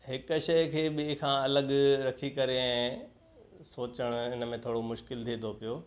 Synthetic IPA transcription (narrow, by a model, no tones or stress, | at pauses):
ɦɪkʊ̆ʃɐjkʰeːɓɪɦkʰãːɐləɠɾɐkʰikɐɾeɛ̃ː | soːt͡ɕəɽ̃ɪnəmẽt̪ʰoːɽomʊʃkɪlt̪ʰiːt̪ʰopijoː